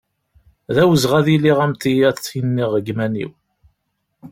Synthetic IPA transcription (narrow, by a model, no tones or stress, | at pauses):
ðæwəzʁæðiliʁæmt̪ijæt͡sːinːiʁəɡmænḭw